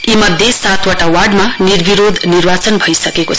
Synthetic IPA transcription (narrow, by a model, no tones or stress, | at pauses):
imʌd̪ʱjesat̪ʰwaʈawarɖmanirbʱiɾod̪ʱnirbat͡sʌnbʱʌjsʌkekot͡sʰ